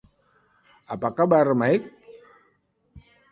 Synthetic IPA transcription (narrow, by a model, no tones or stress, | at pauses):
apakabaɾəmaik̚